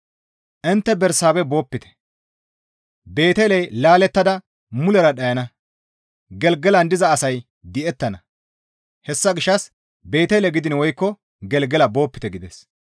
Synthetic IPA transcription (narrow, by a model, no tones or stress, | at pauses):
ʔɪnt̪ːɛbɛɾsaːbɛbo̞ːpːɪt̪ɛ̥ | be̞ːt̪elɛjlaːlɛt̪ːɐd̪ɐ | mʊlɛɾɐɗɐjɐnɐ | ɡɛlɡɛlɐnd̪ɪzɐːsɐj | d̪ɪʔɛt̪ːɐnɐ | hɛsːɐɡɪʃːɐs | be̞ːt̪elɛɡɪd̪ɪnwɔjkːɔ | ɡɛlɡɛlɐbo̞ːpːɪ̥t̪ɛɡɪd̪ɛs